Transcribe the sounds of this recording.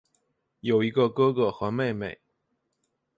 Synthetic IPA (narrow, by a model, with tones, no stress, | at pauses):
jo˨˩ʊi˧˥ɡə˧kɤ˥ɡə˧˩xɤ˧˥me˥˧ɪme˨˩ɪ